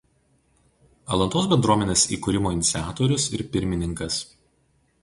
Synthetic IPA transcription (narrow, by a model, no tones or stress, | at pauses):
ɐlˠɐnt̪oːsbʲɛnd̪ɾuɔmʲɛnʲeːsḭːkʊɾʲɪmoːɪnʲɪt̪sʲaːt̪oːɾʲʊsɪɾpʲɪɾʲmʲɪnʲɪŋkɐs